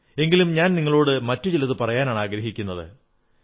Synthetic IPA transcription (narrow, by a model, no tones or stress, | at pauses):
e̞ŋɡilumɲaːnniŋːɐɭo̞ːɽɨmɐtːut͡ɕelɐðɨpɐrɐjaːnaːɳaːɡɾɐɦikʲːunːɐðɨ̰